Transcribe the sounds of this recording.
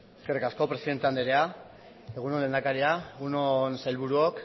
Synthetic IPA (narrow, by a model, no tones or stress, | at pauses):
eskerikasko̞pɾe̞siðe̞nt̪e̞and̪eɾea | e̞ɣ̞unonlend̪akaɾiaeɣunonsalβuɾuok